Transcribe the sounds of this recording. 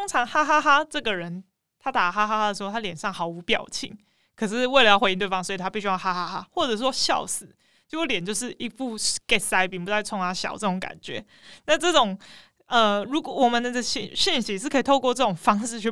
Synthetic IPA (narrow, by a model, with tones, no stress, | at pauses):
ʊ˥ŋt͡sʰɑ˧˥ŋxa˥xa˥xa˥ʈ͡ʂɤ˥˩ɡə˨˩ɻə˨˦n | t̪ʰa˥t̪a˨˩xa˥xa˥xa˥d̪ə˨ʂɻ̩˧xt̪ʰa˥ljɛ˨˩nʂɑ˥˩ŋxɑ˧˥ʊu˧˥pjɑ̰˨˩ʊt͡ɕʰḭ˨˩ŋ | kʰɤ˨˩ʂ̬ɻ̩˥˧we˥˩ɪə˩jɑ˥˩xe˧˦ɪi˥˧t̪we˥˩ɪfɑ˥˦ŋswɔ˧˥i˨t̪ʰa˥pi˥˩ɕy˥jɑ˥˩ʊxa˥xa˥xa˥xwɔ˥˩ʈ͡ʂɤ˨˩ʂ̩˥wɔ˥ɕjɑ˥˩ʊsɹ̩˨˦ | t͡ɕjo˥˧ʊo˥˩ljɛ˨˩nt͡ɕjo˥˧ʊʂ̬ɻ̩˥˩ʔi˧˥pu˥˩kɛ˥˩sa˧˥ɪpi˨˩ŋpu˧t͡sa˥˩ɪt͡sʰʊ˧˥ŋa˧˥ɕjɑ̰˨˩ʊʈ͡ʂɤ˥˩ʈ͡ʂʊ˧˥ŋka̰˨˩nt͡ɕɥɛ̰˧˥˦ | na˥˧ʈ͡ʂɤ˥˩ʈ͡ʂʊ˨˩ŋ | ə˧ɻu˧˥kwɔ˨˩wɔ˨˩mə˨nd̪ə˨˥ə˧ɕi˥˨ɕi˥˩nɕi˧˥ʂ̬ɻ̩˥˩kʰɤ˧˥i˨t̪ʰo˥˧ʊkwʈ͡ʂɤ˥˩ʈ͡ʂʊ˨˩ŋfɑ˥ŋʂɻ̩˥˧t͡ɕʰy˥˩